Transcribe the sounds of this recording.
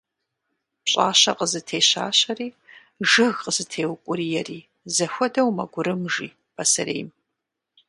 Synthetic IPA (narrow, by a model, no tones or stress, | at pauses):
pɕʼa̰ːɕɐqəzɨtʰeːɕa̰ːɕɐriː | ʒɨɣqəzɨtʰeːwkʷʼʊɾiːjɛriː | zɐxʷɔdɐwmɐɡʷʊɾɨmʒiː | pʰɐsɐɾḛːjm